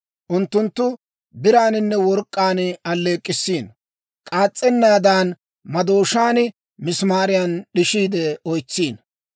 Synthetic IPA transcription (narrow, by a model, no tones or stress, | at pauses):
ʔʊnt̪ːʊnt̪ːʊ | bɪɾaːnɪnːɛwɔɾkʼːaːnɐlːeːkʼːɪsːiːn | kʼaːt͡sʼːɛnːaːd̪aːn | mɐd̪oːʃaːnɪ | mɪsmaːɾɪjɐnɗɪʃiːd̪ɛɔjt͡sːiːn